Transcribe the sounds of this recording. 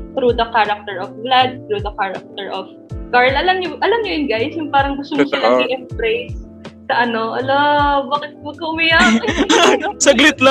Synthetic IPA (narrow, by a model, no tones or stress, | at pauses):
t̪ɾud̪ɐkaɾɐk̚t̪ɛɹʔofɡlad̪̚t̪ɾud̪ɐkaɹɐ̰k̚t̪ɛɹʔov | ɡaɹlʔɐlɐmɲʊʔɐlɐmɲʊjʊnɡajsjʊŋpaːɾɐŋɡʊst̪omsɐnɐɡɪʔɛmbɾejsː | ɐʔɐno̞ʔɐlobaːkɪt̪̚bɐkɐwɪjɐ | sɐɡlɪt̪lɐ